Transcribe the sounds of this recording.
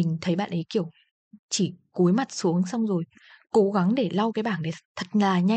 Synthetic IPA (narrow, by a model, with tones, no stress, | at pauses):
ï˨˩ŋ̟t̪ʰə˨˦jɓa̰ː˧˨nʔə˨˦jki˧˩əw | t͡ɕi˧˩ku˨˦jma˨˩t̚su˨˦əŋsa˧wŋ͡mzo˨˩j | ko˨˦ɣa˨˦ŋɗe˧˩la˧wkaː˨˦jɓaː˧˩nɗe˧˩t̪ʰə˨˩t̚laː˨˩ɲa˧